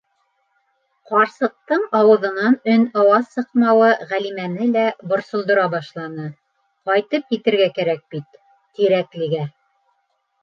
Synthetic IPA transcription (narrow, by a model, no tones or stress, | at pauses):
qɑɾsɤ̆q̚t̪ɤɴɑwɤ̆ðɤ̆nɑnɵnɑwɑðsɤ̆qmɑwɤʁælimænɘlæbŏɾsŏlˠd̪ŏɾɑbɑʃlˠɑnɤ | qɑjt̪ɤp̚jit̪ɘ̆ɾɡækæɾæk̚b̥it̪ː | iɾæklɘ̆ɡæ